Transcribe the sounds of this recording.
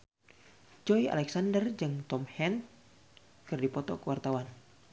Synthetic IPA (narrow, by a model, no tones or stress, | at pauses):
d͡ʒɔia̰lɛksandərd͡ʒɨŋt̪ɔmhɛn | kɨrdipɔt̪ɔ̰kəwart̪awan